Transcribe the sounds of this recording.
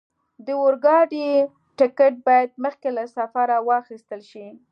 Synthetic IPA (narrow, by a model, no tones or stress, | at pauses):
d̪əoɾɡɑɖi | ʈɪkeʈ̚bɑjad̪̚məxkelasafaɾawɑxist̪əlʃi